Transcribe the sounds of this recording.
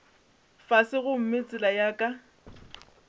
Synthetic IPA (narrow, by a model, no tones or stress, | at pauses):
fasɪɣʊm̩met͡sʼɪlajakʼa